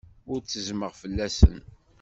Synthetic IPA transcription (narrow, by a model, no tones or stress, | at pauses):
ʊɾt͡sːəzməʁfəlːæsə̰n